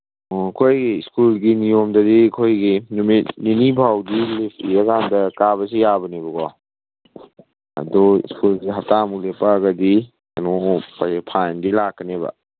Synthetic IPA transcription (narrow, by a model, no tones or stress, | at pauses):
kʰojɡiskulɡinijomdɐdikʰojɡinmitninibʱawdilipʰiɐkandɐkabɐs̬ijabɐnibɐɡɔ | ɐ̰dɔḭskulɡiɦap̚tamulepaɡɐdi | ɐnopapʰajndilakːɐnebɐ̰